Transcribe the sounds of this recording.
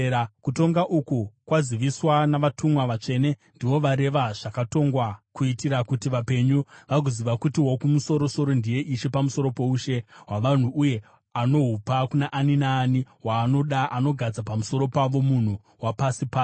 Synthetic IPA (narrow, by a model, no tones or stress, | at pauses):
kuto̞ŋɡaʔukukwaziʋiswanaʋatumwaʋat͡ʂe̞ne̞ndiʋo̞ʋaɾe̞ʋaʐ̥akato̞ŋɡwakuitiɾakutiʋape̞ɲuʋaɡoziʋakutiwokumuso̞ɾo̞so̞ɾo̞ndije̞ʔiʃe̞pamuso̞ɾo̞po̞uʃe̞ɦwaʋan̤uuje̞ | ano̞ɦupakunaʔːninaːniɦwaːno̞ɗaano̞ɡʱad͡zapamuso̞ɾo̞paʋo̞mun̤u | wapasipaːs